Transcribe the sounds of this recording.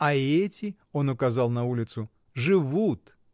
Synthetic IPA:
ɐɛtʲɪ | o̞nʊkɐzalˠnɐulʲɪt̪sʊ | ʐɨvut̪

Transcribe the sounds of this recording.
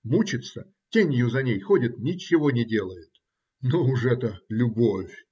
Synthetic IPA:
mut͡ɕɪt̪sə | tʲenʲjʊzɐnʲejxodʲɪt̪nʲɪt͡ɕːɪvonʲɪdʲe̞lˠəjɪt̪ | nuʊʂɛt̪əlʲʊbofʲ

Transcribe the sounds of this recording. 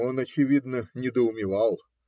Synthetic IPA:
o̞nɐt͡ɕɪvʲid̪nənʲɪd̪əʊmʲɪvɑlˠ

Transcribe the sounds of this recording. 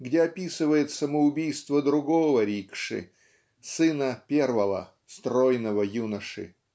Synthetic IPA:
ɡdʲeɐpʲisɨvəjɪt̪səməʊbʲijst̪vəd̪ɾʊɡovəɾʲikʂɨ̰ | sɨnəpʲervəvə̰ | st̪ɾojnəvəjunəʂɨ̰

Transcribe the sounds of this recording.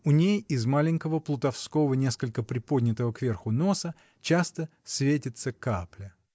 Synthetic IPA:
ʊnʲejɪzmalʲɪnʲkəvəplˠʊt̪ɐfsko̞vənʲe̞skəlʲkəpɾʲɪpod̪ʲnʲɪt̪əvəkvʲerxʊno̞sə | t͡ɕast̪əsʲvʲetʲɪt̪səkaplʲə

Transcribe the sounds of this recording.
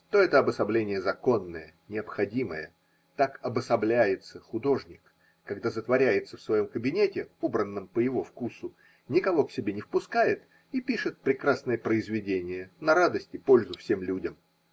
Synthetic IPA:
t̪o̞ɛt̪əɐbəsɐblʲenʲɪjəzɐko̞nːə̰jənʲɪɐpxɐdʲimə̰jə̰ | t̪akɐbəsɐblʲæjɪt̪səxʊd̪o̞ʐnʲɪkː | ɐɡd̪azət̪vɐɾʲæjɪt̪səfsvɐjo̞mkəbʲɪnʲetʲɪobɾənːəmpəjɪvo̞fkusʊ | nʲɪkɐvo̞ksʲɪbʲenʲɪfpʊskajɪt̪ | ipʲiʂɨt̪̚pɾʲɪkɾasnəjəpɾəɪzvʲɪdʲenʲɪjənɐɾad̪əsʲtʲɪpo̞lʲzʊfsʲe̞mlʲudʲəm

